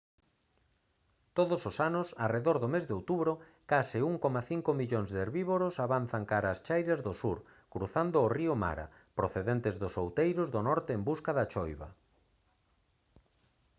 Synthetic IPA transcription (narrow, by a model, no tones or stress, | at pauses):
t̪oðʊsosanʊsareðoɾðomezðeowt̪uβɾʊ | kasɪuŋkɔmaθiŋkomiʎoŋzðeɾβiβoɾʊsaβan̟θaŋkaɾaːst͡ʃajɾazðosuɾ | kɾuθand̪ʊːriʊma̰ɾɐ̰ | pɾoθeðent̪ɪzðʊsowt̪ejɾʊzðonɔɾt̪eːmbuskaðat͡ʃɔjβɐ̰